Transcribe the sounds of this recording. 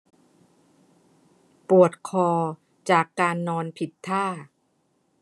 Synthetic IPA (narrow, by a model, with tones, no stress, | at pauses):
pu˨˩ət̪̚kʰɔː˧ | t͡ɕaː˨˩kːaː˧nːɔː˧npʰi˨˩t̪ʰːaː˥˩